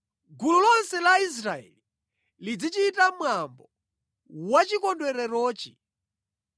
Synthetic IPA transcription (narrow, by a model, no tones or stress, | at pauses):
ɡululɔnsɛlais̬ɾaɛ̰li | lid͡zit͡ʃiːtamwambɔ | wat͡ʃikɔndwɛɾɛɾɔːt͡ʃi̥